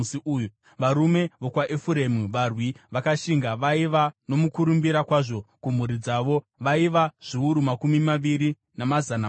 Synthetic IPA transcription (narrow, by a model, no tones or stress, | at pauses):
siuːju | ʋaɾume̞ʋo̞kwaʔefuɾemuʋarwiʋakaʃiŋɡaʋaiʋano̞mukuɾumbiɾakwaʐo̞kum̤uɾid͡zaʋo̞ | ʋaiʋaʐ̥iuɾumakumimaʋiɾi | namazana